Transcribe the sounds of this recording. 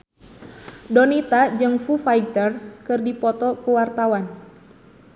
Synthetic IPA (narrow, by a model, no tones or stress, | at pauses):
dɔnit̪ad͡ʒɨŋfufaj̚t̪ərkɨrdipɔt̪ɔkuwart̪awan